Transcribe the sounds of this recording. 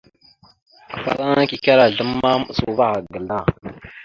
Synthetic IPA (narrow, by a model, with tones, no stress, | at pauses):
kə̥˨fa̰˨ɾa˦ŋ˦ki˨ka˦ɾa˨ɮə˦ma˦mə˨su˨va˦ɣa˨ɡə˨la˦˨